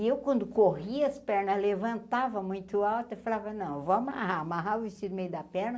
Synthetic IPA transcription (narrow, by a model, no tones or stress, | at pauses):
ewkwɐ̃nd̪ʊkohiɐɐspɛɾnɐzlevɐ̃nt̪avɐmũj̃t̪ʊawt̪efalavɐnɐ̃w̃voɐma̰ɦamaɦaɾʊvist͡ʃid̪ʊmejʊd̪ɐpɛɾnɐ